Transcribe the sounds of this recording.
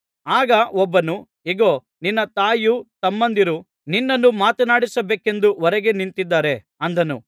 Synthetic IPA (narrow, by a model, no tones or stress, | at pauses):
aːɡɐɔbːɐnu | iɡoː | ninːɐt̪aːjut̪ɐmːɐnd̪iɾu | ninːɐnːumaːt̪ɐnaːɽisɐbeːke̞nd̪uɔɾɛɡenint̪id̪ːaːɾe̞ | ɐnd̪ɐnṵ